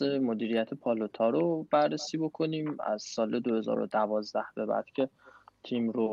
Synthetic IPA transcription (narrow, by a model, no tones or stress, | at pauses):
emod̪iːɾijæt̪ʰepʰɒlot̪ʰɒːɾob̥ærːesiːbo̞kʰo̞niːmæ̰zsɒːled̪ohe̞zɒ̰ːɾo̰d̪ævɒːzd̪æhb̥e̞bæ̰ɾd̪̥cʰe̞t̪ʰiːmɾo